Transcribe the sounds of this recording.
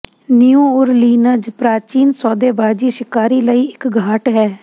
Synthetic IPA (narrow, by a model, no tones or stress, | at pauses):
nɪjuːʊɾliːnəd͡ʒpɾaːt͡ʃiːnsɔːd̪eːbaːd͡ʒiːʃɪkaːɾiːləiːɪkɡʱaːʈɦɛː